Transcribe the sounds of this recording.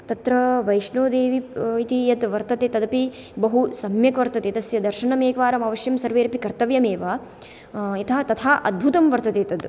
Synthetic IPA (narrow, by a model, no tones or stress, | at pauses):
t̪ɐt̪ɾɐʋɐjʂɳoːd̪eːʋiit̪ijɐt̪ʋɐɾt̪ɐt̪eːt̪ɐd̪ɐpi | bɐɦusɐmjɐkʋɐɾt̪ɐt̪eːt̪ɐsjɐd̪ɐɾʃɐɳɐmeːkʋaːɾɐmɐʋɐʃjɐmsɐɾʋeːɾpikɐɾt̪ɐʋjɐmeːʋaː | it̪ʰɐːt̪ɐt̪ʰaːʔɐd̪̚bʱut̪ɐmʋɐɾt̪ɐt̪eːt̪ɐd̪